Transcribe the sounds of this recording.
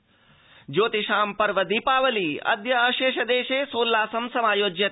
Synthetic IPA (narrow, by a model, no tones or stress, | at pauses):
d͡ʒoːt̪iʃaːmpɐɾʋɐd̪iːpaːʋɐliɐ̰d̪jɐːʃeːʃɐd̪eːʃeːsoːlːaːsɐmsɐmaːjoːd͡ʒjɐ